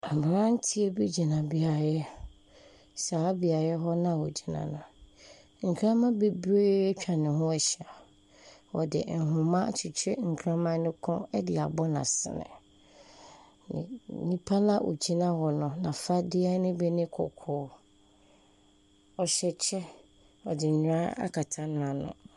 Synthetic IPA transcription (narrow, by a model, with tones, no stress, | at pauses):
a˨mã˨ɾã˦n̩˦tʰi˦e˦bi˦d͡ʑi˨nã˨bi˨˦a˨jɛ˦ | saː˨˦bi˨a˨jɛ˦ɦɔ˦nã˦˨wo˨d͡ʑi˨nã̰˨nʊ̃˨ | ŋ̩˨kʰɾã˦mã˦be˦be˦t͡ɕᶣa˨nɪ̃˨ɦʊ̃˦ɛ˨ɕi˨a˨ | wɔ̰˨dɪ̰˨n̩˨ɦʊ̃˨mã˦˨t͡ɕʰɪ˨t͡ɕʰᶣɪ˦ŋ̩˨kʰɾã˦mã˦nʊ̃˦kʰɔ̃˦ɛ˦dɪ˨a̰˨bɔ˦nã̰˨sɪ̰˨nɪ̰̃˨ | ɲĩ˦pʰa˦la˦ʔo̰˨d͡ʑi˦nã˦wɔ˨nʊ̃˨nã˨fa˦dɪ˦a˦nɪ̃˦bɛ˦nɪ̃˦kʰɔ̰˨kʰʊː˦ | ɔ˨ɕɛ˦t͡ɕʰɛ˦ | ɔ˨dɪ˨ɲᶣ˨ɾã˦a̰˦kʰa˨tʰã˦nʊ̃˦ã˨nʊ̰̃˨